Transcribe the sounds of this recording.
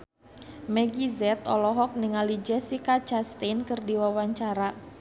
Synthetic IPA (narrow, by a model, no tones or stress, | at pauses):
mɛɡizɛt̪ɔlɔɦɔk̚niŋalid͡ʒɛsikat͡ʃast̪enkərdiwawaɲt͡ʃaɾa